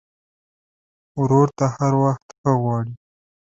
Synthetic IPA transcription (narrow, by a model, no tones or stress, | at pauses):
wɾoɾt̪ahaɾwaxt̪xəɣwɑɽi